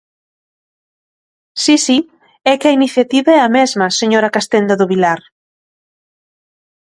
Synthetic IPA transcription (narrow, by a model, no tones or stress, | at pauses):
sisi | ɛkɪɐiniθjat̪iβɐɛɐmɛzmɐseɲoɾɐkast̪end̪ɐðʊβilaɾ